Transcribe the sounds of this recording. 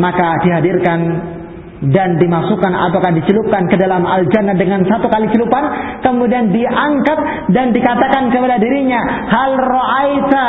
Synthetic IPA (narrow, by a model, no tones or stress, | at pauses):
makadiɦadirkan | dandimasukana̰pakahdit͡ʃəlup̚kankədalamald͡ʒanːadəŋansat̪ukalit͡ʃəlupankəmudiandiʔaŋkat̪̚ | dandikat̪akankəpadadiɾiɲa | halroʔajt̪a